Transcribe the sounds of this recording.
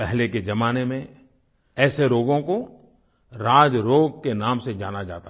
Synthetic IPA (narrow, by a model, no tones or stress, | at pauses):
pɛɦleked͡ʒɐmaːnemẽ | ɛːseɾoːɡõko | ɾaːd͡ʒɾoːɡkenaːmsed͡ʒaːnad͡ʒa̰ːt̪a